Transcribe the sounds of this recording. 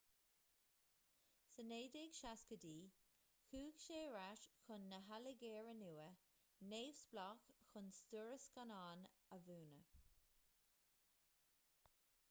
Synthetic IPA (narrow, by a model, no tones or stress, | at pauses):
səneːd̪ɪɡ̥ʃaskədiː | xuːɡʃeːɹaʃxʊnːəɦaləɡeːɹənuːə | neːvsb̥lɔkxʊnstuɹəskanaːn | əvuːnə